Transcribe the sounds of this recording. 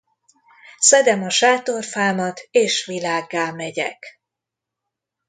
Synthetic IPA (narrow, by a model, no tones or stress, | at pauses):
sɛd̪ɛmɒʃaːt̪o̞rfaːmɒt̪eːʃʋilaːɡːaːmɛɟɛ̰k